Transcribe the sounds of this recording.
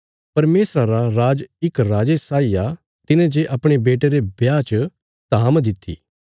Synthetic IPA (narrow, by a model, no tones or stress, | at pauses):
pɐɾmeːsɾaɾaɾaːd͡ʒɪkɾaːd͡ʒesaːija | t̪ɪnẽd͡ʒeʔɐpɽ̃ebeːʈeɾebjaːt͡ʃ | t̪aːmd̪ɪt̪ʰːḭː